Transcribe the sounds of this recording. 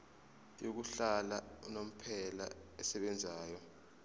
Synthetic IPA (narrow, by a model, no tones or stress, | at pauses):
jok̬uɬalanom̩pʰɛla̰ɛsɛɓɛnd͡zʱaːjɔ